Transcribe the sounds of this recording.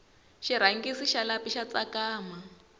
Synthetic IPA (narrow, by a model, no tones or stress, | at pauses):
ʃiɾ̤aŋɡisiʃalapiʃat͡sakaːma